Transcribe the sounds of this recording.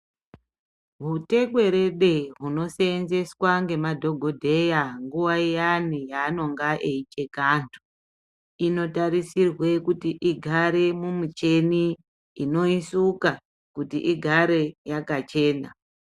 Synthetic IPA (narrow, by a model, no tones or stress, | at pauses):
ɦute̞kwe̞ɾe̞ɗe̞ɦuno̞seːnze̞swaŋɡe̞madʱo̞ɡʱo̞dʱe̞jaŋɡuwaijanijaːno̞ŋɡaʔeit͡ʃe̞kantʰu̥ | ino̞taɾisirwe̞kutiʔiɡʱaɾe̞mumut͡ʃe̞niː | no̞isuka | kutḭʔiɡʱaɾe̞jakat͡ʃe̞ːna